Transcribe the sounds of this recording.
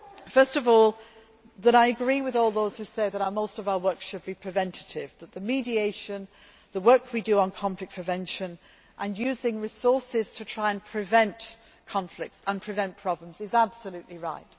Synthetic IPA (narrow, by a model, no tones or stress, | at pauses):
fɜ˞stʌvɔːlˠ | ðəɾaɪɨɡɹiwɪðɔlˠðoʊz̥hʉseɪðəɾaʊəmoʊstʌvaʊə˞wɜ˞ksʃɨd̚bipʰɹ̥ɨvɛ̃ntʰɨtɪvðət̪̚ðəmidieɪʃə̃n | ðəwɜ˞kʰwidəə̃nkʰɑ̃ɱplɨk̚pʰɹ̥ɨvɛ̃nʃə̃n | ʔə̃njʉzɪ̃ŋɹɪsɔɹsɪz̥tʰətʰɹ̥aɪə̃npʰɹ̥ɪvɛ̃nʔ | kʰɑ̃ɱflɪk̚tsə̃npʰɹ̥ɨvɛ̃npʰɹ̥ɑblə̃mzɪzab̥səlʉʔliɹaɪt